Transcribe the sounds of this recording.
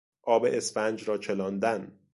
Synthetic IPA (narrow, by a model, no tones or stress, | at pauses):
ʔɒːbeʔesfænd͡ʒɾɒːt͡ʃʰe̞lɒːnd̪æn